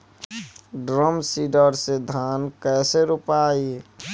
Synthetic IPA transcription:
ɖɾəmsiːɖəɾsed̪ʱaːnkɛːseɾʊpaːi

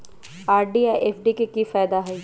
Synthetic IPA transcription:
aːɾɖiajʔeːfɖikekifaːjd̪aɦɛː

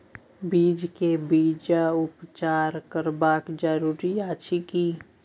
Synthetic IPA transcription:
biːd͡ʒkebiːd͡ʒaʊpt͡ʃaːɾkəɾbaːkd͡ʒəɾuːɾiaːt͡ʃʰikiː

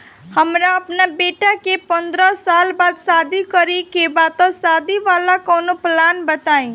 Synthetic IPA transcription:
həmɾaəpnabeʈakepənd̪ɾəsalbad̪sad̪ʱikəɾikebat̪ɔsad̪ʱiʋalakonoplanbət̪aĩ

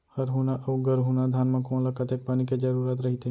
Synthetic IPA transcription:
həɾɦunaʔəwɡəɾɦunad̪ʱaːnmãkõːnləkət̪ek̚paniked͡ʒəɾuɾaːt̪̬ɾəɦit̪e

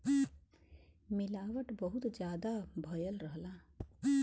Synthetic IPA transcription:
mɪlaːʋəʈbəɦut̪d͡ʒjaːd̪abʱəjəlɾəɦlaː

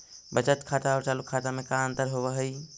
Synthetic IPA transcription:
bət͡ʃət̪kʰaʈaɔːɾt͡ʃaːlukʰːaʈamẽkaənt̪əɾɦoβəɦəj

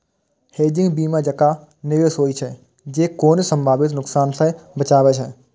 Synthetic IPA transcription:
heːd͡ʒɪ̃ŋɡbiːmãd͡ʒəkaː | neʋesoːit͡ʃʰɛ | d͡ʒeːkoːnesə̃mbʱaːbɪt̪nʊksaːnsɛbət͡ʃaːʋɛt͡ʃʰɛ

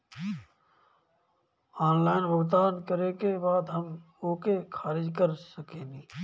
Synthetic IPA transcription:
aːnlaːɪnbəɡd̪aːnkəɾekebaːd̪ɦəm | oːkekʰaːɾɪd͡ʒkəɾsəkeːniː

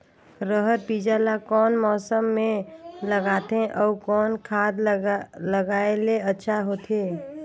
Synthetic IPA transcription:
ɾəɦət̪̚piːd͡ʒalakɔːnmɔːsəmːẽləɡaːt̪ẽʔɔːkɔːnkʰaːd̪ləɡaːeleɐtːʃʰaɦoːt̪eː

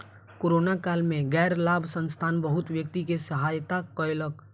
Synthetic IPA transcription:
koːɾoːnakaːlmẽɡɛːɾlaːbʱsə̃nst̪ʰaːnbəɦʊt̪ʋjəkt̪ikesəɦaːjt̪akɔɪlək

